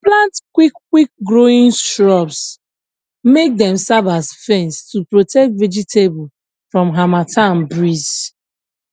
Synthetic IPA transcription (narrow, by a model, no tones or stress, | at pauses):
plãntkwikːwik̚ɡɹoĩnstɹɔps | mek̚dɛ̃msavasfɛ̃nstupɹotɛk̚tvɛd͡ʒitebɔ | fɹɔ̃mɦamatʰãnbɹiz